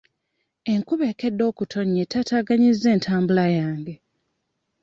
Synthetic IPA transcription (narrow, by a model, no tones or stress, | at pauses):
e̞ŋkuβe̞ke̞dːo̞ːkutʰo̞ɲːetataɡaɲizːe̞ːntʰaːmbulajaːŋɡe̞